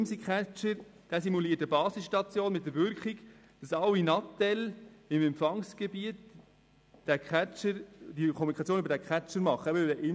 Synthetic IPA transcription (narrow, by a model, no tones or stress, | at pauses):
msikχæt͡ʃəɾ | d̥æːsimuliːətəbɑːsɪsʃtɑt͡sjoːnmɪt̚dəɾvʏɾkχɪk | d̥ɑsɑwinɑtɛlɪmɛmpfɑŋsɡ̥ebiət | d̥ækʰæt͡ʃəɾd̥ikʰɔmunikʰχɑt͡sjoːnybəɾdækʰχæt͡ʃəɾmɑχəɛbədɛʔɪ